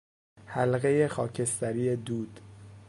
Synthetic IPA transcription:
hælɣejexɒːcʰest̪æɾijed̪uːd̪̥

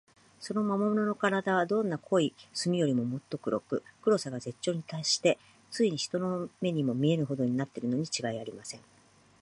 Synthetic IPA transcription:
so̞no̞mamomono̞no̞kaɾad̪aβ̞ad̪õ̞nːakʰo̞isɨmʲijo̞ɾʲimo̞mo̞t̪ːo̞kɯ̟ɾo̞̰kɯ̟kɯ̟ɾo̞saɡaze̞t͡ɕːo̞ːɲ̟it̪aiɕi̥t̪e̞ | t͡sɨiɲ̟içi̥t̪o̞no̞me̞ɲ̟imo̞mʲie̞ɾɯ̟ɦo̞d̪o̞ɲ̟inat̪ːe̞ɾɯ̟no̞ɲ̟it͡ɕiɡaiaɾʲimasẽ̞ŋ

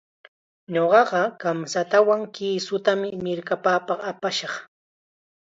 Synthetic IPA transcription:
ɲoɢɑɢɑkamsat̪awaŋkiːsʊt̪amɪmɪɾkapaːpɑχapaʃɑχ

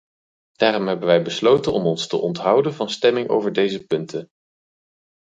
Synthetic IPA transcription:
d̥aːɾɔmɦɛbənʋɛjbəslowtənɔmɔnstə̰ʔɔntɦɑwdənvɑnstɛmɪŋo̰wvəɹdejzəpɵntən

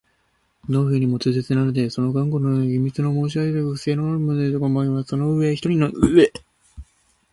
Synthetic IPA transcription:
noːɸɯːɲ̟imo̞t͡sɨːset͡sɨnanɯd̪e̞so̞no̞ɡãŋɡo̞noɯeɡʲimʲit͡sɨnomo̞ːɕ̬iaɡed̪ɯɸɯse̞ːnooɾɯmod̪et̪okamaiβaso̞no̞ɯ̟e̞çʲi̥t̪o̞ɾʲinoʔɯe

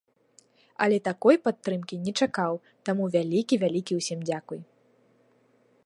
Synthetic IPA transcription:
ɐ̰lʲɛt̪akɔjpat̪ːɾɨmkʲinʲɛt͡ʂakaw | t̪amuvʲalʲikʲivʲalʲikʲiwsʲimd͡zʲakuj

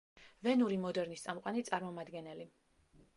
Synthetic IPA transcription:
vɛnuɾimɔd̪ɛɾnist̪sʼamqʼanit̪sʼaɾmɔmad̪ɡɛnɛli

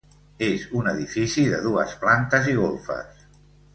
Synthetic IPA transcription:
ezunəðifisiðəðuə̰splant̪əziɣ̞olˠfə̰s

